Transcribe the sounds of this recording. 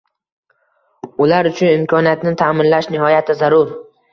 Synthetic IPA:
ʊlaɾʊt͡ʃʰʊnɪmkʰɒnijat̪nɪt̪ʰamɪnlaʃnɪhɒjat̪ʰɪzaɾʊɾ

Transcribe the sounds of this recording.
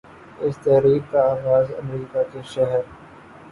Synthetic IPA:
ɪst̪ɛɦɾiːkkaaːɣaːzɐ̰mɾiːkakeʃɛɦəɾ

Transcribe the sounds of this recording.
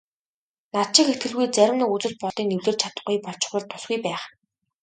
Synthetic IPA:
nat͡ɕɪ̆ket̪ɡɘ̆ɮɣujt͡sæɾʲɪ̆mnə̆kut͡sɘ̆ɮ̚pɔɮt̪iːŋnewɮeːrt͡ɕʰat̪ə̆χɡujpɔɮt͡ɕɪ̥̆χʊ̆ɮt̪ʰʊ̥sɡujpæːχ

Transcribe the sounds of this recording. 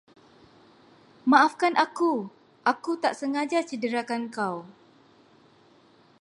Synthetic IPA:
mãʔafkanʔaku | ʔakut̪aʔsəŋad͡ʒat͡ʃədəɾakankaw

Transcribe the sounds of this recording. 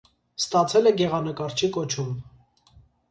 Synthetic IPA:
st̪ɑt͡sʰɛlɛɡɛʁɑnəkɑɾt͡ʃʰikɔt͡ʃʰum

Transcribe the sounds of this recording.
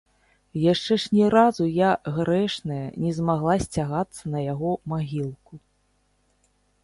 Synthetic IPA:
jaʂt͡ʂɛʂnʲɛɾazujaɣɾɛʂnɐjɐnʲɛzmaɣlˠasʲt͡sʲaɣat̪sːɐnɐjaɣɔmaɣʲilˠku

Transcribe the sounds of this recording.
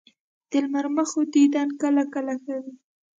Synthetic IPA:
d̪̥əlmaɾmaxod̪id̪ɑnkəlakəlaxawi

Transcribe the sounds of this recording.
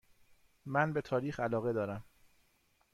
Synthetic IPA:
mænbe̞t̪ʰɒːɾiːxælɒːɣe̞d̪ɒːɾæm

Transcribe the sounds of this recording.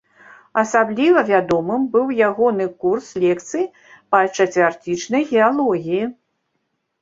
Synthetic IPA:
ɐsablʲivɐvʲad̪ɔmɨmbɨwjaɣɔnɨkurslʲɛkt̪sɨji | pɐt͡ʂɐt̪ʲvʲart̪ʲit͡ʂnɐjɣʲɛalˠɔɣʲiji

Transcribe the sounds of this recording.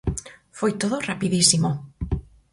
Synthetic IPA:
fojt̪oðorapiðisimo

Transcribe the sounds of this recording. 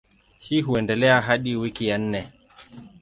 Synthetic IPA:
hiɦuɛndɛlɛaɦaɗiwikijan̩nɛ

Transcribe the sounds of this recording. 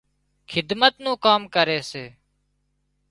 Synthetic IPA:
xʰɪd̪mət̪nũːkaːmkəɾeːseː

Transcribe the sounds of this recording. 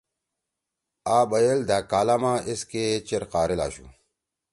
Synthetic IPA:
aːbɐjeld̪aːkaːlamãːesket͡ɕeɾqaːɾila̰ːɕṵ

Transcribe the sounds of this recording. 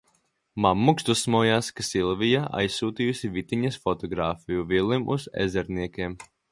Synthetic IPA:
mamːukst̪usːmɔːjaːskasilˠvijaʔa̰jsːuːt̪ijusivit̪iɲɐsfɔt̪ɔɡɾaːfijuvilˠimʔṵzɛ̰zɛɾniɛkʲeɛm

